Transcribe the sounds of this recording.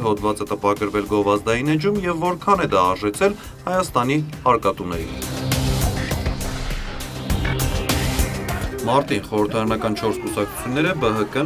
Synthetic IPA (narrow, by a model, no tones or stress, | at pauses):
ɦɔd̪vɑt͡sət̪əpɑkəɾvɛlɡɔvɑzd̪ɑjinɛd͡ʒumjɛvːɔɾkʰɑnɛd̪ɑɑɾʒɛt͡sʰɛl | hɑjɑst̪ɑniɑɾkɑt̪unɛɾḭn | mɑɾt̪inχɔɾəɾt̪ʰɑɾɑnɑkɑnt͡ʃʰɔɾskusɑk̚t͡sʰu̥t͡sʰjunːɛɾəbəɦəkə